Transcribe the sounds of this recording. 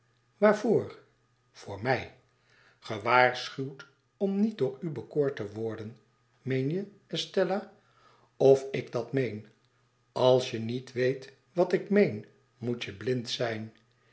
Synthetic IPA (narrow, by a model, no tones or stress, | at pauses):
ʋaːɹvoːɹ | v̥ʊːɹmɛj | χəʋaːɹsχywt | ɔmnit̚dʊːɹybəkʊːɹtəʋʊɹdən | mejnjə | ɛstɛlaː | ɔfɪɡdɑtmejn | ɑlˠsjənitʋejt | ʋɑtɪkmejn | mutjəblɪntsɛjn